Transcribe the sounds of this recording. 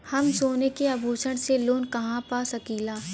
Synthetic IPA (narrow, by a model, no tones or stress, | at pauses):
hɐmsoːnekeaːbʱuːt͡ʃəɽ̃seloːnkɐɦãpaːsɐkiːlaː